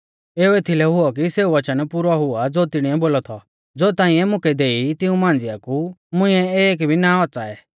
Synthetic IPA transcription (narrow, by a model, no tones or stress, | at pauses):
eːuet̪ʰilɛɦʊɔkiseːuʋɐt͡ʃənpuɾɔɦʊad͡zoːt̪ɪɽ̃iɛboːlɔt̪ʰɔ | d͡zoːt̪ãːĩɛmʊ̃kʰɛd̪eːit̪ɪũmãːnd͡zɪjakumʊ̃ɪ̃ɛeːk̬bʱinaɔt͡saɛː